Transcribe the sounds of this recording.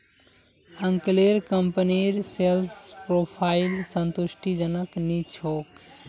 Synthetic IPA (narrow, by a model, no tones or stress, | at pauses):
əŋkleɾkəmpəniɾselspɾopʰailsənt̪usʈʰid͡ʒənəknit͡ʃʰok